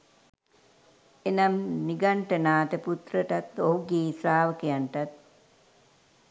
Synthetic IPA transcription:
enamniɡaɳʈənaːt̪əput̪rəʈat̪oɦuɡeːsaːʋəkejanʈat̪̚

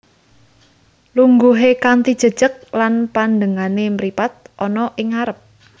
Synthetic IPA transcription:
luŋɡuɦekant̪id̥ʒ̥ə̤d̥ʒ̥ə̤k̚lanpand̪əŋanemɾipat̪̚ʔɔnɔʔɪŋaɾəp̚

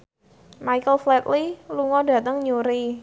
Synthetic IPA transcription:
majkəlflɛt̪liluŋɔda̤t̪əŋɲuɾi

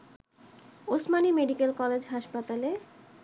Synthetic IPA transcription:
osmanimeɖikelkɔled͡ʑɦaʃpat̪ale

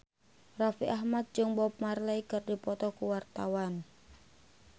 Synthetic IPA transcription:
rafiʔaɦmat̪̚d͡ʒɨŋbɔp̚marlaikɨrdipɔt̪ɔkuwart̪awan

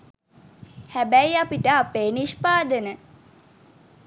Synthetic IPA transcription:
hæbæjapiʈəapeːniʃpaːd̪ənə

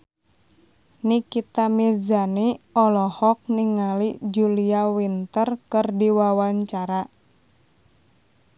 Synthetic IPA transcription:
nikit̪amird͡ʒaniɔlɔhɔk̚niŋalid͡ʒuliawint̪ərkɨrdiwawaɲt͡ʃaɾa

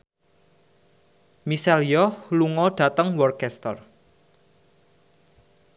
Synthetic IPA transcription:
misɛljɔluŋɔɖ̥a̤t̪əŋwɔrkɛst̪ə̰r

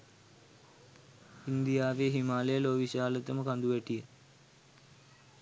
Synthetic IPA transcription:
ind̪ijaːʋeːɦimaːlejəloːʋiʃaːlət̪əməkand̪uʋæʈijə

